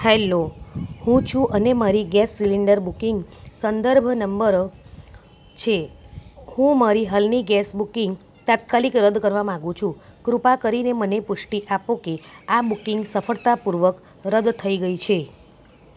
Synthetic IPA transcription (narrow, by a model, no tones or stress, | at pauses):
hɛlohũt͡ʃʰũʔənemaɾiɡɛsːiliɳɖəɾbukiŋɡsənd̪əɾbʱnəmbəɾ | t͡ʃʰe | hũmaɾiɦəlniɡɛsbukiŋɡ | t̪at̪̚kalikɾəd̪kəɾʋamããɡũt͡ʃʰũkɾupakəɾinemənepʊʂʈiʔapokeabukɪŋɡsəfəɭt̪apuɾʋək | ɾəd̪t̪ʰəiɡəit͡ʃʰe